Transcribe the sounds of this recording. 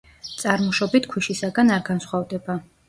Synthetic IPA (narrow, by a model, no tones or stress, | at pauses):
t̪sʼaɾmɔʃɔbit̪ʰkʰwiʃisaɡanaɾɡansχwavd̪ɛba